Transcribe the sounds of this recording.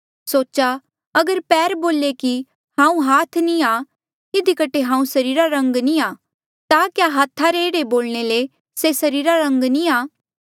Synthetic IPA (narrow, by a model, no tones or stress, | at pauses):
soːt͡ʃa | ɐɡəɾpɛːɾboːleki | hãːũɦaːt̪ʰnia | ɪd̪ikəʈːeɦãːũsɐɾiːɾaɾɐ̃ŋɡniaː | t̪akjaːɦaːt̪ʰːaɾeːɽeboːlñele | sesɐɾiːɾaɾɐ̃ŋɡniaː